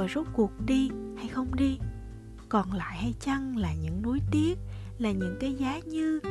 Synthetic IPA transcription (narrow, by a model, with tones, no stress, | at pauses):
o˨˩jzo˦˥t̚ku˨˩ək̚ɗi˧ha˧jxə˧wŋ͡mɗi˧ | kɔ˨˩nla̰ː˧˨jha˧jt͡ɕə˧ŋlaː˨˩ɲɨ̰˧˥ŋnu˨˦jt̪i˦˥ət̚ | laː˨˩ɲɨ̰˧˥ŋkaː˨˦jzaː˨˦ɲɨ˧